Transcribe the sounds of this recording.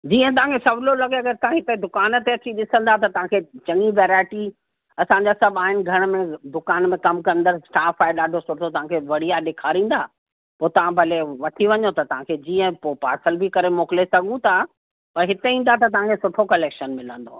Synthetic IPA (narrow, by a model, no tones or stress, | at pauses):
d͡ʑiːə̃t̪ɐʋ̤ãkʰesɐblolɐɡeɐɡəɾt̪ɐãɦɪt̪ed̪ʊkaːnt̪eɐt͡ɕiɗɪsə̃nd̪at̪̬ɐt̪ɐʋ̤ãkʰet͡ɕɐ̃ŋiʋeːɾaːɪʈi | ɐsãɲ̆d͡ʑasɐbʱaːɦɪnɪ̆ɡʱɐɽ̃mẽd̪ʊkaːnmẽkɐmkɐ̃nd̪əɾsʈaːfaːɪɗaːɖʱosʊʈʰot̪ɐʋ̤ãkʰeʋɐɽ̤ijaɗeːkʰaːɾĩːn̆d̪aː | poːt̪ɐʋ̤ãbʱɐleʋɐʈʰiʋɐɲot̪ɐt̪ɐʋ̤ãkʰed͡ʑiːə̃poːpa̰ːɾsəlbɪkɐɾemoːklesɐɡʱũt̪ʰa | pɐɾɦɪt̪eĩːn̆d̪at̪̬ɐt̪̬ɐʋ̤ãkʰesʊʈʰokɐleːkʃənmɪlə̃nd̪o̰